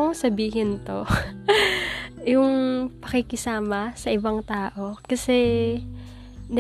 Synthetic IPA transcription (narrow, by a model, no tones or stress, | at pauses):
oŋsɐbiːɦɪnt̪o̞ | jʊŋpɐkɪkɪsaːmɐsɐʔɪbaŋt̪aːʔo̞kɐsɛ | n